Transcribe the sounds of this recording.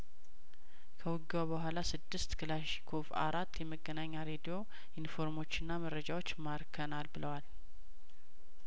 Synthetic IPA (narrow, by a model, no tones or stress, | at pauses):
kʰəwʊɡabəɦʷalasɨd̪ːɨst̪kʰɨlaʃi̥kʰofa̰ɾat̪ʰːjɛməɡːənaɲːaɾe̞d̪ijo̞ | ʔinfo̞ɾmo̞t͡ʃːɨnːaməɾəd͡ʒawo̞t͡ʃːmaɾkʰənalbɨləwal